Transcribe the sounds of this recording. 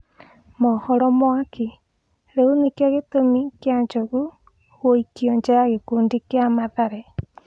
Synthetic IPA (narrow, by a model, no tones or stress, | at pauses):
mɔhɔɾɔmwakʰi | ɾeunekjaɣetomikjaɲd͡ʒoɣu | ɣoikiɔɲd͡ʒeɾaɣekuːndikjamaðaɾɛ